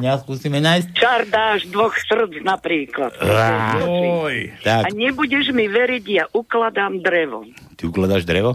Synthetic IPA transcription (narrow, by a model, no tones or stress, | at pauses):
ɲaskuːsiːmɛnaːjsct͡ʃard̪aːʒd̪ʋɔxsr̩d͡znapɾiːklat̪ | t͡ʃijt̪akaɲɛbuɟɛʒmiʋɛɾiɟjaʔuklad̪aːmd̪ɾɛʋɔ̰t̪iuklad̪aːʒd̪ɾɛʋɔ